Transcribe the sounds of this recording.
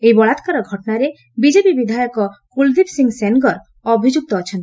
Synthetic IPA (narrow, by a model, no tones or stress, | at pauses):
eibɔɭat̪kaɾɔɡʱɔʈɔnaɾe | bid͡ʒepibid̪ʱajɔkɔkuld̪ipsiŋɡsenɡɔɾ | ɔbʱid͡ʒuk̚t̪ɔːt͡ʃʰɔnt̪i̥